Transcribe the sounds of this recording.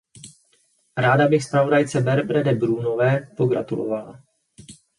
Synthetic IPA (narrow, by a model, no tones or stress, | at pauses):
ɾaːdabɪxspɾavo̞dajt͡sɛbɛɾbɾɛdɛbɾuːno̞vɛːpo̞ɡɾa̰t̪ulo̰vala̰